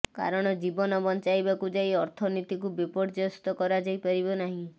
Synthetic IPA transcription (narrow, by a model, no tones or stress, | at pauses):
ka̰ɾɔɽ̃ɔd͡ʒibɔnɔbɔnt͡ʃajbakud͡ʒajɔɾt̪ʰɔnit̪ikubipɔʈd͡ʒɔst̪ɔkɔɾad͡ʒajpaɾibɔnaɦĩ